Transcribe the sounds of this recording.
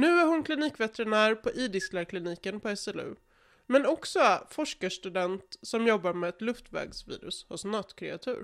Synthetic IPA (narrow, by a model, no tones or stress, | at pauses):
nʉ̟ːæɾhʊnkʰlɪniːkvɛt̪ɛɾɪnæːɾpʰɔʔiːd̪ɪsklæɾkʰlɪniːkənpʰɔɛsɛlʉ̟̰ | mɛnɔksɔfɔʂkaʂt̪ɵd̪ɛnt̪sɔmjɔbːaɾmɛɛt̪lɵft̪vɛ̰ːɡsvḭːɾɵ̰shʊsnɑt̪kʰɾɛ̰at̪ʰʉ̟̰ːɾ